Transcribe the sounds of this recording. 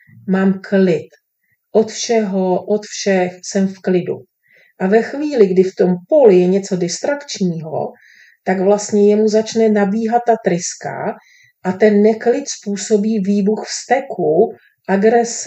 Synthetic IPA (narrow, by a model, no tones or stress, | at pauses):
maːmklɪt̪ | ʔo̞t̪fʃɛɦoʔot̪fʃɛxsɛmfklɪdṵ | ʔavɛxviːlɪɡdɪft̪o̞mpolɪjɛɲɛt͡so̞dɪst̪ɾakt͡ʃɲiːɦo̞̰ | t̪aɡvlast̪ɲɛjɛmuzat͡ʃnɛnabiːɦat̪ːat̪ɾɪska̰ | ʔat̪ɛnːɛklɪt̪spuːso̞biːviːbuxfst̪ɛku | ʔaɡɾɛs